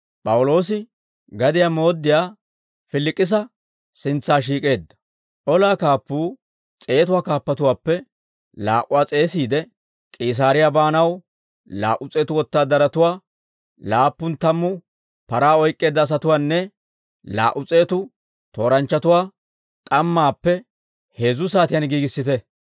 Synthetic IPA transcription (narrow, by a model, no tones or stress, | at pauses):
pʼɐwʊlo̞ːs̬ɪ | ɡɐd̪ɪjamo̞ːd̪ːɪjaː | fɪlːɪkʼːɪs̬ɐ | sɪnt͡sːaːʃ̬iːkʼe̞ːd̪ːɐ̥ | ʔɔlaːkaːpːuː | t͡sʼe̞ːt̪ʊwaːkaːpːɐt̪ʊwaːpːɛ | laːʔʊwaːt͡sʼe̞ːsiːd̪ɛ | kʼɪiːs̬aːɾɪjabaːnɐw | la̰ːʔʊt͡sʼe̞ːt̪ʊwɔt̪ːaːd̪ɐɾɐt̪ʊwaː | laːpːʊnt̪ɐmːʊ | pɐɾaːɔjkʼːe̞ːd̪ːɐːs̬ɐt̪ʊwaːnːɛ | la̰ːʔʊt͡sʼe̞ːt̪ʊ | t̪o̞ːɾɐnt͡ʃːɐt̪ʊwaː | kʼɐmːaːpːɛ | he̞ːzʊs̬aːt̪ɪjanɡiːɡɪsːɪt̪ɛ